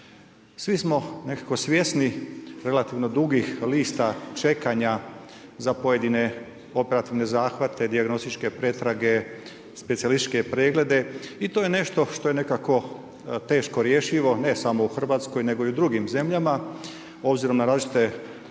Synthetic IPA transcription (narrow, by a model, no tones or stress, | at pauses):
sʋismo̞ne̞kako̞sʋʲje̞sniɾe̞lat̪iʋno̞d̪uɡixliːst̪at͡ʃe̞kaɲa | zapo̞je̞d̪ine̞ | o̞pe̞ɾat̪iʋne̞zaːxʋat̪ʰe̞d̪iaɡno̞st̪it͡ʃke̞pɾe̞t̪ɾaɡe̞ | spet̪ialist͡ʃke̞pɾeːɡle̞d̪e̞it̪o̞ːje̞ne̞ʃt̪o̞ʃt̪o̞je̞ne̞kako̞ | t̪e̞ːʃkoɾje̞ʃiʋo̞ne̞samo̞uxr̩ʋaːt̪sko̞jne̞ɡo̞iud̪ɾuɡimze̞mʎama | o̞bziɾo̞mnaɾaːzit͡ʃit̪e